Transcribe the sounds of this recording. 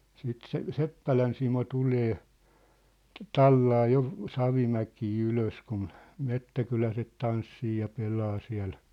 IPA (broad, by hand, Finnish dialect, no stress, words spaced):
siːt se sepːælæn simo tuleː tɑlːɑː jo sɑʋimækiː yløs kun metːækylæset tɑnsːiː jɑ pelɑː siæ̝l